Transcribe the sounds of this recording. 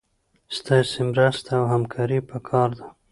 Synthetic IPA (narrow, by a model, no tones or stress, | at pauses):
st̪ɑsemɾəst̪awɦamkʰɑɾipəkʰɑɾd̪a